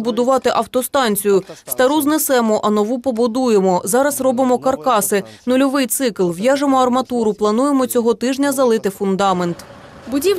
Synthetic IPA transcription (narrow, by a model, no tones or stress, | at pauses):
bʊd̪ʊʋɑt̪ɪʔɐwt̪ɔst̪ɑnʲt͡sʲijʊst̪ɐɾuznesɛmɔʔɐnɔʋupɔbʊd̪ujemɔzɑɾɐzrɔbɪmɔkɐrkɑsɪnʊlʲɔʋɪjt̪sɪklˠʋjɑʒemɔɐrmɐt̪uɾʊplˠɐnuje̞mɔt͡sʲɔɦɔt̪ɪʒnʲɐzɐlˠɪt̪ɪfʊnd̪ɑme̞nt̪ | bʊdʲi